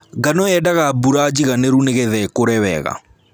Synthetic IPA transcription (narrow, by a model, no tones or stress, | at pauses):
ɡanɔɛdaɣabuɾad͡ʒiɣaneɾuneɣɛðɛkoɾɛwɛ̰ɣa̰